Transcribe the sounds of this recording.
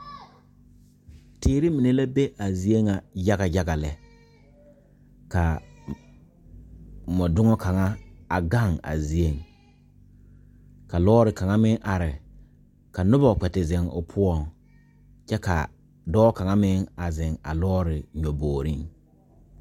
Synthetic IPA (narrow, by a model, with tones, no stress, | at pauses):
teː˦ɾi˦mi˨ne˦la˦be˦ʔa˨zi˨e˦ŋa˨ja˦ɡa˨ja˦ɡa˨lɛ˨ | ka˨ | mɔ˨dʊ˦ŋɔ˦kʰa˨ŋa˦a˨ɡa˦˨ŋa̰˨zi˨˦e˦ŋ | ka˨lɔː˦ɾɪ˨ka˨ŋa˦mɪ˦ŋʔa˨ɾɪ˨ | ka˨nʊ˦ba˨k͡pɛ˨tɪ˨zɪ˨ŋʊ̰˨pʰʊ˦ɔ˨ŋ | t͡ʃɛ˦ka̰˨ | dɔː˦ka˨ŋa˦mɪ˦ŋa˨zɪ˨ŋa̰˨lɔː˦ɾɪ˨ɲɔ˨boː˨ɾi˦ŋ